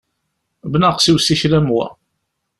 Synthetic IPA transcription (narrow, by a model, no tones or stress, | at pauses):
bnaqsiwsiçɾæmwæ̰